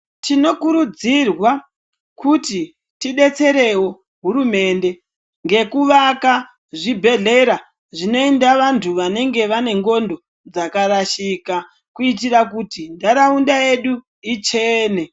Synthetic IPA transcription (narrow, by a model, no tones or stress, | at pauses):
tino̞kuɾud͡zirwa | kuti | tiɗe̞t͡se̞ɾe̞wo̞ | ɦuɾume̞ːnde̞ | ŋɡe̞kuʋaka | ʐibʱe̞ɮe̞ɾa | ʐino̞endaʋantʰuʋane̞ŋɡe̞ʋane̞ŋɡo̞ndo̞ | d͡zakaɾaʃika | kuit̬iɾakutindaɾaundae̞ɗu | it͡ʃe̞ːne